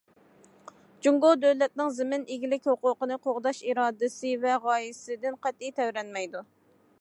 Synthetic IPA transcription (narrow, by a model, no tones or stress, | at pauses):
d͡ʒuŋɡod̪øwlɛt̪̚nɪŋzɪmɪnɪɡʲilɪkʲhoqʊːqənɨqʰoʁd̪ɑʃiɾɑːd̪ɨsɨvɛʁɑːjɪsɪd̪ɪnqʰæt̪ijt̪ʰɛwɾɛnmɛjd̪u